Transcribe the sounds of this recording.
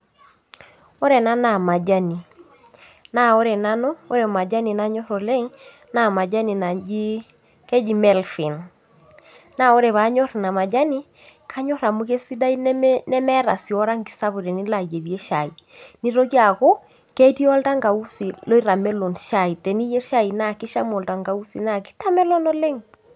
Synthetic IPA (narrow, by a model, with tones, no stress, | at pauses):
ɔ˦ɾɛ˨na˦na˨ma˨d͡ʒa˦ni˨ | na˦˨o˦ɾɛ˨na˦nɔ˦o˦ɾɛ˨ma˨d͡ʒa˦ni˨na˨˦ɲɔ˦ɾɔ˨lɛ˦ŋ | na˦˨ma˨d͡ʒa˦ni˨na˨d͡ʒi˦ | kɛ˦d͡ʒi˨mɛ˦˨lfi˨n | na˦˨o˦ɾɛ˨βa˨˦ɲɔ˦ɾna˨ma˨d͡ʒa˦ni˦ | kʰa˦ɲɔ˦ɾa˨mu˦ke˦si˦da˦i˦n˦nɛ˦mɛ˦ɾa̰˨si˨ɔ˦ɾa˦ŋɡi˨sa˦bu˨ɾɛ˨ni˦la˨d͡ʒe˨ðje˦ʃa˨i˨ | ni˦ɾo˦ki˦a˨ko˦ | kɛ˦ti˦ɔ˦lta˦ŋɡa˨u˦si˨lo˦i˦ɾa˨mɛ˦lo˨nʃa˨i˨tɛ˨ni˦jɛ˦ʃa˦i˨na˦˨ki˦ʃa˦mɔ˨lta˨ŋɡa˨u˦si˨na˦˨ki̥˦ta˦mɛ˦lɔ˦nɔ˦lɛ˦ŋ